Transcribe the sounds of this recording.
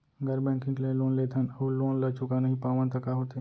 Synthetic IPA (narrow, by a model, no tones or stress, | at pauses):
ɡʱɐɾbɛ̃ːŋkɪ̃ŋɡlẽloːnleːt̪ʰənoloːnlɐt͡ʃʊkanɐɦĩpaːʋənt̪ɐkaɦoːt̪e